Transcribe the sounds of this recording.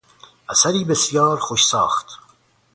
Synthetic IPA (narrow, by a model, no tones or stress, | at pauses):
ʔæsæɾiːbe̞sjɑːɾxoʃsɒːxt̪